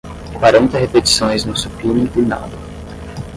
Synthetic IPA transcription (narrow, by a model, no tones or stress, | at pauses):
kaɾõt̪ɐɦepet͡ʃi̥sõj̃znʊsuplũmĩɪna̰d̪ɐ